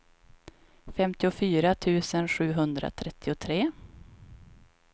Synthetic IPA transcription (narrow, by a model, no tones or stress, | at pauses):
fɛmt̪ɪʊfyːɾat̪ʰʉ̟ːsənɧʉ̟ːɦɵnd̪ɾa̰t̪ʰɾɛt̪ʰːɪʊt̪ʰɾeː